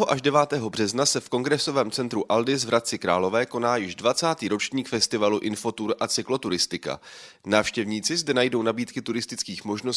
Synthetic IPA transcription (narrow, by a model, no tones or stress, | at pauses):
ɦoʔaʒdɛvaːt̪ɛːɦo̞br̝ɛznasɛfko̞ŋɡɾɛso̞vɛːmt͡sɛnt̪ɾuʔaldɪzvɾʔat̪̚t͡sɪkɾaːlo̞vɛːko̞naːjɪʒdvat͡saːt̪iːɾo̞t͡ʃɲiːkfɛst̪ɪvaluʔɪnfo̞t̪uɾʔat͡sɪklo̞t̪uɾɪst̪ɪka̰ | naːfʃcɛvɲiːt͡sɪzdɛnajdo̞wnabiːt̪kɪt̪uɾɪst̪ɪt͡skiːxmo̞ʒno̞s